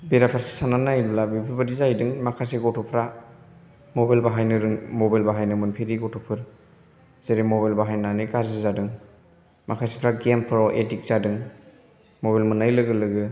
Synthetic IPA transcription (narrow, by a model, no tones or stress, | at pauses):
beɾapʰaɾse̥sananajlulabipʰibadizajdɯŋmakʰajseɡɔtʰupʰɾa | mobajlbaɦajnɯɾɯŋmobajlbaɦajnɯmɯnpʰiɾiɡɔtʰupʰɯɾ | z̥eɾemobajlbaɦajnanɯkaɾzizadɯŋ | makʰajse̥pʰɾaɡempʰɾɔʔetik̚z̥adɯŋ | mobalmɯnajlɯɡɯlɯɡɯ